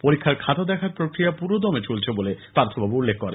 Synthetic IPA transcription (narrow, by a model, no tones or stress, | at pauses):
poɾikʰːaɾkʰat̪ad̪ɛkʰaɾpɾokɾijapuɾod̪ɔmet͡ɕolt͡ɕʰebolepaɾt̪ʰobʱabuulːekːɔɾḛ